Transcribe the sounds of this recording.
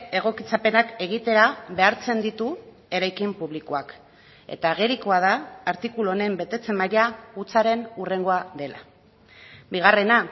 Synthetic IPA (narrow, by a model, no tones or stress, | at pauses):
e̞ɣ̞o̞kit͡sape̞nake̞ɣ̞it̪e̞ɾaβe̞aɾt͡se̞nd̪it̪u | e̞ɾajkimpuβlikoak | e̞̰t̪aːɣe̞ɾikoað̞aːɾt̪ikulone̞mbe̞t̪e̞t͡se̞maɾiaut͡saɾe̞nure̞ŋɡo̞aðe̞lʔa̰ | biɣ̞are̞na